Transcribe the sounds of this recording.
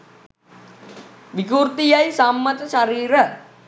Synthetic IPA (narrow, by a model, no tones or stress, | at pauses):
ʋikurt̪ijajsamːət̪əʃaɾiːɾə